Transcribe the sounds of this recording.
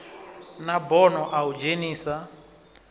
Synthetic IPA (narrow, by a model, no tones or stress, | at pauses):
nabɔnɔʔaud͡ʒeniːsa